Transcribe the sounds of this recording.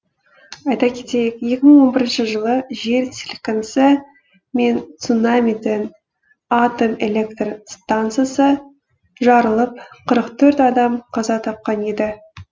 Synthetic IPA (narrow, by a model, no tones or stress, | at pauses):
ɑjt̪ɑkʲʰe̞t̪e̞jekje̞kʲɪməɴwo̞nbɪɾɪnʃɪʒəlˠəʒe̞ɾt̪ʰʲelʲkənsə | me̞nt̪sunamʲid̪ɪn | at̪o̞melʲe̞kt̪rst̪ant̪sɨjasə | ʒɑɾəlˠəp̚qʰəɾəqt̪ʰɵɾt̪ɑd̪ɑmqʰɑzɑt̪ʰɑp̚qɑne̞d̪ɪ